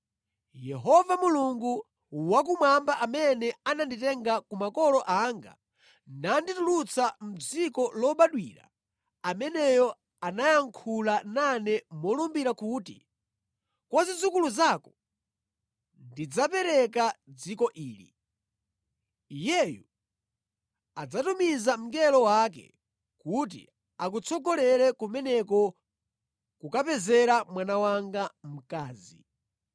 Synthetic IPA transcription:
jɛɦɔvamuluŋɡu | wak̬umwambaʔamɛnɛananditɛŋɡakumakɔlɔʔaːŋɡa̰ | nanditulut͡sam̩d͡zikɔlɔɓaɗwḭːɾa̰ | amɛnɛjɔ | anajaŋkʰulananɛmɔlumbiɾakuːtḭ | kwazid͡zukuluzakɔ̥ | ndid͡zapɛɾɛkad͡zikɔʔiːlḭ | ijɛju | ad͡zatumizam̩ɡɛlɔwak̬ɛ̰ | kut̬ḭ | ak̬ut͡sʰɔɡɔlɛɾɛkumɛnɛkɔ | kukapɛzɛɾamwanawaŋɡam̩kaːzḭ

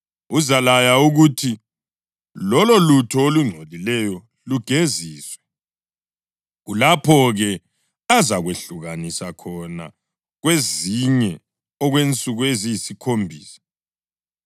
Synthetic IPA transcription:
uzalajauɣutʰi | lɔlɔlutʰɔoluŋ͡ǀʱolilɛjɔ | luɡ̥ʱeziːswɛ | ɣulapʰɔɣɛ | azaɣweɬuɣanisakʰɔna̰ | ɣweziɲɛ | ɔɣwent͡sʼuɣweziisikʰombʱḭːsḁ

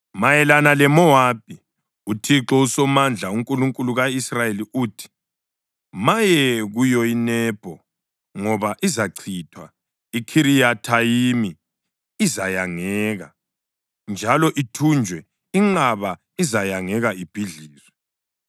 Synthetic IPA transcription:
majɛlanalɛmɔab̥ʱi | utʰiǁɔusɔmand͡ɮʱauŋkʼuluŋkʼuluɣaisrajeliʔuːtʰi̥ | majɛɣujɔinɛːb̥ʱɔ | ŋɔβaʔizaǀʰitʰwa | ikʰiɾijatʰajimiː | zajaŋɛːɣa | nd͡ʒʱalɔʔitʰund͡ʒʱwɛ | iŋ͡ǁaβa | izajaŋɛɣaib̥ʱiɮiːzwɛ

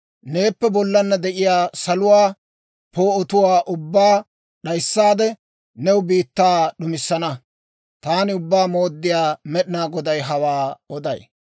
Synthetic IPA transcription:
ne̞ːpːɛbɔlːɐnːɐd̪ɛʔɪjaːsɐlʊwaː | poːɔt̪ʊwaːʔʊbːaː | ɗɐjsːaːd̪ɛ | nɛwʊbiːt̪ːaːɗʊmɪsːɐnɐ | t̪aːnɪʊbːaːmo̞ːd̪ːɪjaːmɛɗɪnaːɡɔd̪ɐjɦɐwaːɔd̪ɐ̰j

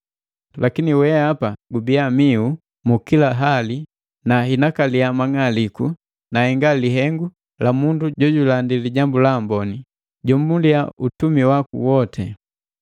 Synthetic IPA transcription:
lʔakiniwɛapaɡubiamiu | mukilaɦali | naɦinakaliamaŋaliku | nahɛŋɡaliɦɛŋɡu | lamunduɟɔɟulandiliɟambulambɔni | ɟɔm̩bunliaʔutumiwakṵwɔtʰɛ

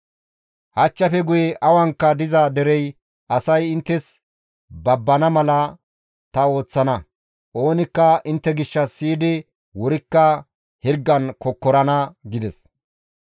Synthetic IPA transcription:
hɐt͡ʃːɐfɛɡʊjɛʔɐwɐŋkːɐd̪ɪzɐd̪ɛɾɛj | ɐsɐjɪnt̪ːɛs | bɐbːɐnɐmɐlɐ | t̪ɐo̞ːt͡sːɐnɐ | ʔo̞ːnɪkːɐɪnt̪ːɛɡɪʃːɐsːiːd̪ɪ | wɔɾɪkːɐ | hɪɾɡːɐnkɔkːɔɾɐnɐɡɪd̪ɛs

